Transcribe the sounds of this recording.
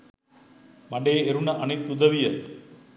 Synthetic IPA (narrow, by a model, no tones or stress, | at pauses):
mɐɳɖeeɾunɐʔɐnɪt̪ːud̪ɐʋijɐ